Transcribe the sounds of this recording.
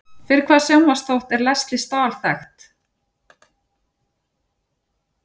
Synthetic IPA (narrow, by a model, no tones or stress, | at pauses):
fɪɾɪɾkʰvaːðsjawmast̪owht̪ɛɾlɛst̪lɪst̪aːlθɛxt̪